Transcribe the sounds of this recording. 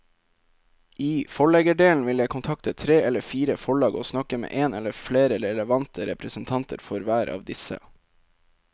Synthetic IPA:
ʔiːfɔɭɛɡəɖeːln̩ʋɪljæɪkʰʊnt̪ʰɑk̚t̪ʰət̪ʰɾeːɛləfiːɾəfɔɭɑːɡo̰ːsnɑkəmḛːʔeːnɛlːəɾfleːɾəɾɛləʋɑnt̪ʰəɾɛpɾəsn̩t̪ʰɑnt̪ə̰ɾfɔɾʋæːɾʔɑ̰ːʋd̪ɪsə̰

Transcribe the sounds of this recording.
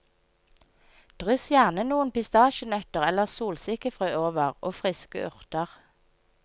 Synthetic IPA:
d̪̥ʁʏsjæːʁnənuːənpɪst̪ɑːʃənœt̪əʁɛləʁsuːlsɪkəfʁœːoːʋəʁoːfʁɪskə̰ʔʉʁt̪əʁ

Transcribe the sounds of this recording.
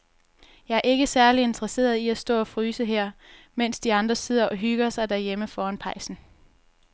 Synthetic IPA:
jɑ̈æɐe̝ɡ̥əsæɐlie̝nd̥ʁɐse̝̰ːɐðˠiæsd̥ɔ̰̽ːɒ̽fʁyːsəɦeɐ̰ | men̰sd̥iɑ̈nd̥ʁɐse̝ð̞̰ˠɐʔɒ̽ɦyɡ̥ɐsɑ̈ɪd̥æɐjeməfɒːænpʰɑ̈ɪsn̩

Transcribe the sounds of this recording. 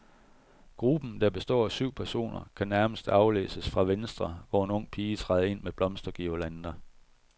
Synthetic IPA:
ɡ̥ʁub̥n̩d̥æɐb̥e̝sd̥ɒ̰ːæsyʊ̰pʰæɐso̝̰ːnɐkʰænæɐməsd̥ɑ̈ʊlḛːsəsfʁɑ̈ʋensd̥ʁɐʋɒe̝nɔ̽ŋ̰pʰiːət͡sʰʁɑ̈ɪð̩ˠe̝n̰meb̥lɒ̽msd̥ɐɡ̥ilænd̥ɐ

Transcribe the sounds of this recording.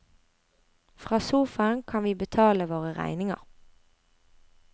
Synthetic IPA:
fʁɑːsuːfɑnkʰɑnʋiːbət̪ʰɑːləʋoːʁəʁæ̰ɪnɪŋə̰ʁ

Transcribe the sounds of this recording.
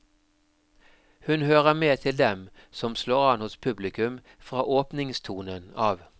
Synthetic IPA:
hʉnhøːʁəmeːt̪ʰɪld̪ɛm | sɔmsloːʁɑnhʊspʰʉblɪkʉm | fʁɑːʔoːpnɪŋst̪ʰuːnənɑːʋ

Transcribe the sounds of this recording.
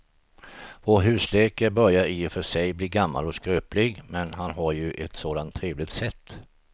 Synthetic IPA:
voːɾɦʉ̟ːsleːkəbœɾjaɾɪfœʂɛjbliːɾɡamːa̰lɔskɾøːplɪɡmɛnɦanɦaɾjɵʔɛt̪soːd̪ant̪ʰːɾeːvlɪt̪sɛt̪ː

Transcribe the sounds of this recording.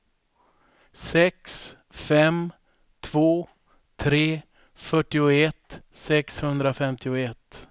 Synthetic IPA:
sɛks | fɛm | t̪ʰv̥oː | t̪ʰɾeː | fœʈːɪʊɛt̪sɛkshɵnd̪ɾafɛmt̪ɪʊɛt̪ː

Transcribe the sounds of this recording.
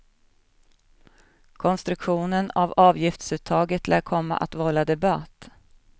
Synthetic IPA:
kʰɔnst̪ɾɵkɧuːnənavɑːvjɪft̪sʉ̟ːt̪ʰːɑːɡət̪lʔæːkʰɔmːa̰ʔat̪vɔlːad̪ɛbat̪ː

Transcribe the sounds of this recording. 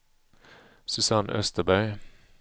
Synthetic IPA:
sʉsɑnʔœ̰st̪əbœʏ

